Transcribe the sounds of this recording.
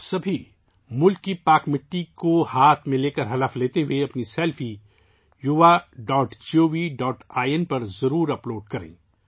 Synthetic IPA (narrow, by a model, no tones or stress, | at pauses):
sɐbʱi | mʊlkːipaːkmɪʈːikohaːt̪ʰmẽleːkəɾɦɐlaːfleːt̪eɦueɐpnisɛːlfʰi | jʊʋaɖɔːʈt͡ʃioːʋiɖɔːʈʰaːiənpɐɾzɐɾuːɾɐploːɖkɐɾḛ̃ː